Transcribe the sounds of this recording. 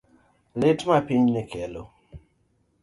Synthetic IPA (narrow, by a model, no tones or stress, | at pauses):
lɪtmapiɲnɪkɛlo̰